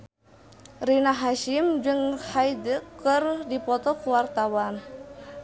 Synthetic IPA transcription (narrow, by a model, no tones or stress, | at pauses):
rinaɦaʃimd͡ʒɨŋhajdəkɨrdipɔt̪ɔkuwart̪awan